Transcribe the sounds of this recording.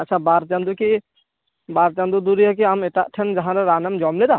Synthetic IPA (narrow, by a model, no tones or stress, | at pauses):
ɐt͡ʃʰabaːɾt͡ʃɐ̃nd̪uki | baːɾt͡ʃãnd̪ud̪uɾiɛk̬iameʈaʔʈʰənd͡ʒɐɦãɾɐɾaːnɐmd͡ʒɔːmled̪a